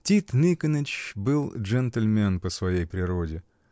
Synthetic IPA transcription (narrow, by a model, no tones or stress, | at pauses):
tʲit̪nʲikənɪt͡ɕbɨlˠʐɛnt̪əlʲmʲɛnpəsvɐjejpɾʲɪɾo̞dʲɪ